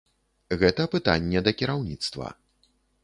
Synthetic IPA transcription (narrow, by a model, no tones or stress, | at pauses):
ɣɛt̪ɐpɨt̪a̰nʲːɛd̪ɐkʲiɾawnʲit̪st̪vɐ̰